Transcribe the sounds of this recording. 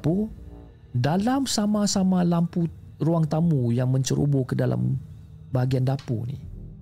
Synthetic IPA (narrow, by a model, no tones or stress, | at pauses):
pu | dalamsamasamalampu | ruaŋt̪amujaŋməɲt͡ʃəɾʔṵbokədalʔa̰m | baɦaɡiandapṵnḭ